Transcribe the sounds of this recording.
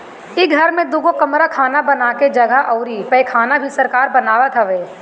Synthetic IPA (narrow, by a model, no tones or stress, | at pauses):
ɪɡʱɐɾmẽd̪ʊɡokɐmɾakʰaːnabɐnaːked͡ʒɐɡʱəʔɐʊɾipɐikʰaːnabʱisɐɾkaːɾbɐnaːʋat̪ʰaʋeː